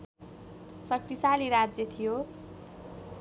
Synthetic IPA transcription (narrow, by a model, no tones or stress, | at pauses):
sʌk̚t̪isaliɾad͡zjʌt̪ʰijo